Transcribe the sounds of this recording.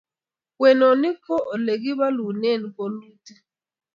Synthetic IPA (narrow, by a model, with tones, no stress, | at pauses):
wɛ˨no˨ni˦kʰɔ˦ʔle˨k̬i˦βa˦lu˨ne˦˨ni˨ko˨luː˦ti˦